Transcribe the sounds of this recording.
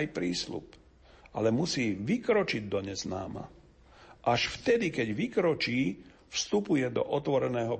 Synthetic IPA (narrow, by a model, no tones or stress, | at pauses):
jpɾiːslṵp | a̰lɛmusiːʋikɾɔt͡ʃiɟ̚d̪ɔɲɛzna̰ːma̰ | ʔaʃft̪ɛd̪ikɛɟʋikɾɔt͡ʃiː | fst̪upujɛd̪ɔ̰ʔɔt̪ʋɔɾɛnɛːɦɔ